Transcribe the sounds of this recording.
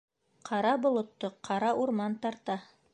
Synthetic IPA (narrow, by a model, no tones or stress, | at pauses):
qʰɑɾɑbŏlˠŏt̪ːoqʰɑɾɑʔuɾmɑnt̪ɑɾt̪ɑ